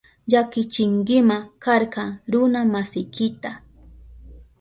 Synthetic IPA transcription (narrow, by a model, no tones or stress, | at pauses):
ʎakɪt͡ʃɪŋɡɪmakaɾkɑŋɾʊnamasɪjkɪt̪a